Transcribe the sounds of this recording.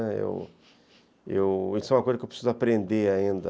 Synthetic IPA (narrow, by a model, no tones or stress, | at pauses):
ɛḛw | ḛwisɛ̃ũmɐkojzɐkewpɾisizʊapɾẽnd̪eaĩnd̪ɐ